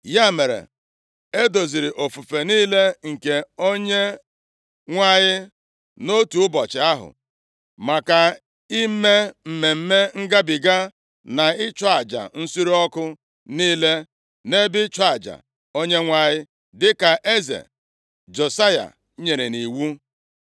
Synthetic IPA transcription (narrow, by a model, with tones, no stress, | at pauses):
ja˦˨me˨ɾḛ˨ | e˦do˨zi˨ɾɪ˨ʔo˨fu˨fe˨niː˦le˦ŋ̩˨ke˨o˦ɲe˦ | ŋʷa˦ɲɪ˦ | no˦tu˨ʊ˦bɔ˨t͡ʃɪ˨a˦ɦʊ̰˨ | ma˨ka˨ | i˦me˦m̩˨me˨m̩˦me˦ŋ̩˦ɡa˦bɪ˨ɡa˦ | na˨ɪ˦t͡ʃɔ˦a˨d͡ʒa̰˨n̩˦su˦ɾi˦ɔ˦kʊ˦ | niː˦le˦ | ne˦bɪ˦t͡ʃa˨d͡ʒa̰˨ | o˦ɲe˦ŋʷa˦ɲɪ˦ | dɪ˦ka˨ʔe˦zḛ˨ | d͡ʒo˨sa˦ja̰˨˦ | ɲe˨ɾe˨ni˨wu˦